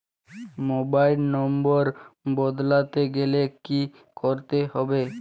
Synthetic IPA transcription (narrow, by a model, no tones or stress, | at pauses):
mobailnɔmboɾbɔd̪lat̪eɡeleki | koɾt̪eɦɔbe